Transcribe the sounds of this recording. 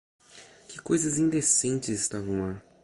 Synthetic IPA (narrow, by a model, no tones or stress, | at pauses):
kɪkojzɐzĩnd̪esẽnt͡ʃɪzɪst̪avɐ̃w̃la